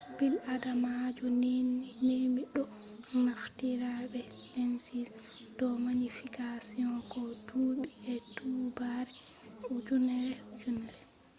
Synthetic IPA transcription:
biladamad͡ʒunininemiɗɔ | naftiɾaɓɛ | lɛmsis | d̥ɔmaɲifikasiɔkɔduɓiɛdubaɾɛ | ud͡ʒunɛɾɛud͡ʒunɛɾ

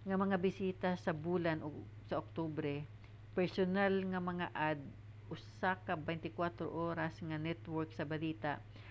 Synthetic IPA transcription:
ŋɐmɐŋabɪsiːt̪asɐbuːlano | sɐʔok̚t̪obɾɛ | pɛɹsonalŋɐmɐŋaʔad̪̚ | ʔʊsakɐbɛjnt̪ɪkwat̪ɾo̰ʔoːɾasŋɐnɛt̪wɔɹksɐbɐliːt̪aʔ

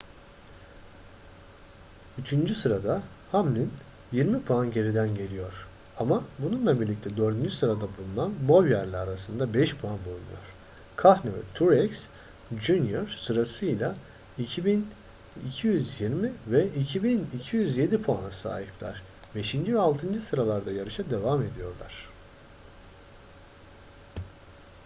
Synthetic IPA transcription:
yt͡ʃʰynd͡ʒysɯɾad̪a | hamlʲin | jiɾmipʰuanɟe̞ɾid̪ænɟe̞lʲijo̞ɾ̥ | amabununlˠabiɾlʲic̚t̪ʰɛd̪ø̞ɾd̪ynd͡ʒysɯɾad̪abulˠunanbo̞vjæɾlʲiaɾasɯnd̪abɛʃpʰuanbulˠunṵjo̞̰ɾ̥ | kʰahnɛvɛ̰t̪ʰuɾɛks | d͡ʒunjoɾ̥sɯɾasɯjlˠa | icʰibin | icʰijyzjiɾmivɛicʰibinicʰijyzje̞d̪ipʰoanasa̰ːɦiplʲæ̰ɾ̥ | be̞ʃind͡ʒivɛalˠt̪ʰɯnd͡ʒɯsɯɾalˠaɾd̪ajaɾɯʃad̪e̞vame̞d̪ijo̞ɾlˠa̰ɾ̝̥

